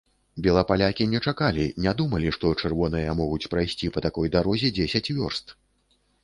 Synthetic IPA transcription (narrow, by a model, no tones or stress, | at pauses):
bʲɛlˠɐpalʲakʲinʲɛt͡ʂakalʲinʲad̪umɐlʲiʂt̪ɔt͡ʂɛrvɔnɨjɐmɔɣut͡sʲpɾajsʲt͡sʲipɐt̪akɔjd̪aɾɔzʲɛd͡zʲesʲɐt͡sʲvʲɔ̰rst̪